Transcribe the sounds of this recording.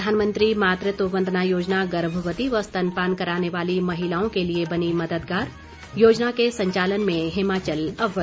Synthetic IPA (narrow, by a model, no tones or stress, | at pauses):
d̪ʱaːnmə̃nt̪ɾimaːt̪ɾət̪oːʋə̃nd̪ʱnajoːd͡ʒnaɡɐɾbʱʋət̪iʋɐst̪ɐnpaːnkɐɾaːneʋaːlimɐɦɪlaːõkeliebɐnimɐd̪əd̪ɡaːɾ | joːd͡ʒnakesɐ̃ɲt͡ʃaːlənmẽɦɪmaːt͡ʃəlɐbʱə